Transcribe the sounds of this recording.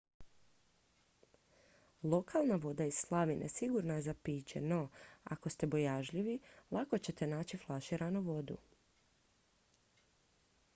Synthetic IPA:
lˠo̞kʰalˠnaʋo̞d̪aiz̥slˠaʋinesiɡuɾnajezapiːt͡ɕeno̞a̰ko̞st̪e̞bo̞jaʒʎiʋilˠʔako̞t͡ɕe̞t̪e̞naːt͡ɕiflˠaʃiːɾanuʋo̞d̪ṵ

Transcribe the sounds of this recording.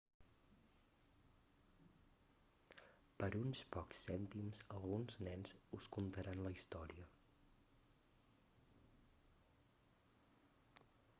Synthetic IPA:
pəɾunspɔksɛnt̪imzəlˠɣunznɛnzuskunt̪əɾanləist̪ɔɾiə

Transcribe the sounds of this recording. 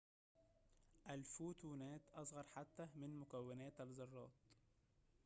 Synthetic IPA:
ʔælfuːt̪uːnæːt̪ʔɑsˤɣɑɾˤħat̪ːæmɪnmʊkæwːɪnæːt̪ælzɑrˤːɑ̰ːt̪̚

